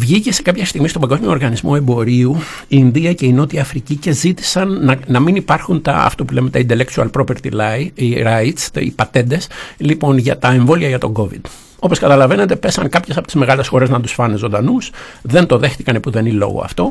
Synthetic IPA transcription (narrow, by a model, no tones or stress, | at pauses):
vʝice̞se̞kɐpçɐst̪iɣmist̪o̞bɐɡo̞zmio̞ɾɣɐnizmo̞e̞mbo̞ɾiu | iːnðiɐce̞ino̞t̪iɐfɾicice̞zit̪i̥sɐnɐnɐminipɐɾxunt̪ɐ̰ɐ̰ft̪opule̞met̪ɐind̪eleksuɐ̰lpɾopeɾt̪ḭlɐiɾɐit̪st̪ḭpɐt̪e̞nd̪e̞slipo̞nʝɐt̪ɐe̞ɱvo̞liɐʝɐt̪o̞ɡo̞vḭd̪̥ | o̞po̞skɐt̪ɐlɐve̞ne̞t̪epe̞sɐŋkɐpçesɐpot̪izme̞ɣɐle̞sxo̞ɾe̞znɐt̪usfɐne̞zo̞nd̪ɐnus | ðe̞nt̪o̞ðe̞xtikɐnepuðe̞nilo̞̰ɣo̰ɐ̰ft̪o̞